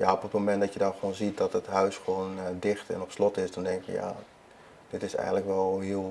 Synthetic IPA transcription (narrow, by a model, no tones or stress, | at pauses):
jaɔpətmomɛntdɔtjədɔnxʋoːnzit̚dɔtətɦœɥsχʋoːndɪχtɛ̰nɔpslɔtɪsdɔndɛŋkjə̰ja̰ | d̥ɪtɪsɛ̰jɣənləkʋɛlˠɦɪəlˠ